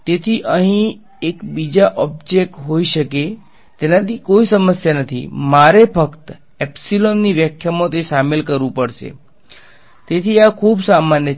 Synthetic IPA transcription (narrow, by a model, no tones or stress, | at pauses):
t̪et̪ʰiʔəɦĩ | ekbid͡ʒaʔɔb̚d͡ʒek̚ʈɦoiʃəke | t̪enat̪ʰikoisəməsjanət̪ʰḭmaɾepəkt̪ | ɛpsilonːiʋjəkʰːjamõt̪eʃamelkəɾʋũpəɽʃḛ | t̪et̪ʰiakʰuːbsamanjə